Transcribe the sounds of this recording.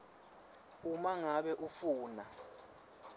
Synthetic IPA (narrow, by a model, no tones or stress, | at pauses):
umaŋaɓɛʔufuːna